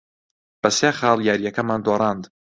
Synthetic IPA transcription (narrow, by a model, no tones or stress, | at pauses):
b̥ɐseːxɑːlˠjaːɾijɐkɐmaːnd̪oɾˤɑːnd̪